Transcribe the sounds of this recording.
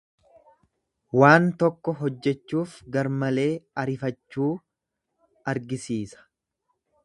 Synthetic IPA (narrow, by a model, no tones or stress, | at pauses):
waːnt̪ɔkːɔɦɔd͡ʒːɛt͡ʃːuːfɡɐɾmɐle̞ːɐɾɪfɐt͡ʃːuː | ɐɾɡɪsiːsɐ̥